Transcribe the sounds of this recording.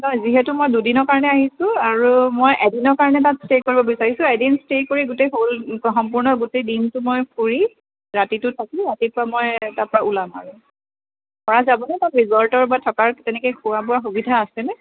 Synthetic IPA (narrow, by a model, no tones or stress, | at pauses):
nɔjziɦɛtʊmojdudinɔɹkaɹɔnɛaɦisʊ̃aɹumojʔɛdinɔɹkaɹɔnɛtatstekoɹibɔbisaɹisʊ̃ɛdinstekoɹiɡutejɦolxɔmpʊɹnɔɡutejdintʊmojpʰuɹi | ɹatitʊtʰakiɹatipɔɹamojtaɹpɔɹaʔulama̰ɹũ | pɔɹazabɔnɛtatɹizɔltɔɹbatʰɔkaɹtɛnɛkɛkʰuwabuaxubidʱaːsɛnɛ